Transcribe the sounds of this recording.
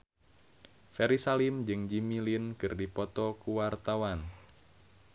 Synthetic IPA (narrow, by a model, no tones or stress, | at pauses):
fɛɾisalimd͡ʒɨŋd͡ʒimilinkɨrdipɔt̪ɔkuwart̪awan